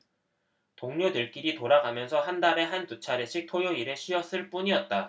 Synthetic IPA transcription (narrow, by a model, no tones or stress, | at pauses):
toŋɲodɯɭk͈iɾitoɾaɡamjʌnsʰʌɦandaɾe̞ɦantut͡ɕʰaɾeɕ͈ʰik̚tʰojoiɾe̞ɕʰiʌs͈ɯɭp͈uɲiʌt̚t͈a